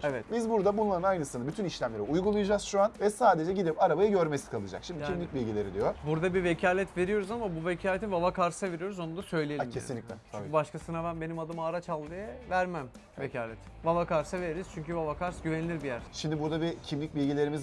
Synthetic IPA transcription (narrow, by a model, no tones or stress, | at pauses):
evɛt̪bizbuɾd̪abunlˠaɾɯnajnɯsɯnabyt̪ʰyniʃlʲæmlʲeɾiujɡulˠujad͡ʒaz̥ʃuanvɛsaːd̪e̞d͡ʒɛɟid̪ipaɾabajɯɟøɾmesi̥kʰalˠɯd͡ʒa̰kʃimd̪ccimlʲic̚bilʲɟilʲe̞ɾid̪ijobuɾd̪abivecʰaːlʲɛt̪ve̞ɾijo̞ɾuzamabuvecʰaːlʲet̪ivavakʰaɾsave̞ɾijo̞ɾuzo̞nud̪asø̞jlʲeelimʰesinlʲiclʲɛbubaʃkasɯnabænbe̞nimad̪ɯmaːɾat͡ʃalˠd̪ɯjavæɾmæm | vecʰaːlʲɛt̪ʰ | vavakaɾsave̞ɾeɾiz̥t͡ʃʰyɲcyvavakaɾsɟyvenilʲiɾbijæɾʃimd̪ibuɾd̪abicʰimlʲic̚bilʲɟilʲe̞ɾimiz